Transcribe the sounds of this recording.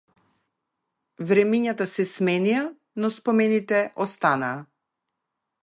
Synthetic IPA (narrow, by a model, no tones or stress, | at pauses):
vɾɛmiɲat̪asɛsmɛnija | nɔspɔmɛnit̪ɛʔɔst̪anaː